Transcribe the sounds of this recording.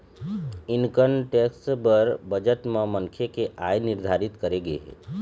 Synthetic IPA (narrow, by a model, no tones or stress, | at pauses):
ɪnkənʈeksbəɾbəd͡ʒəʈ̪mãməŋkʰekeʔajnɪɾd̪ʱaɾɪt̪kəɾeɡḛɦɛ̰